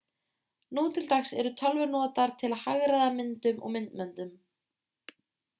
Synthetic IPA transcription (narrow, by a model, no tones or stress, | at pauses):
nuːt̪ʰɪlt̪axsɛɾʏt̪ʰœlvʏnɔːt̪aɾ̥t̪ʰɪlahaɣɾaðamɪnt̪ʏmʔɔ̰ɣmɪnt̪mɛnt̪ʏm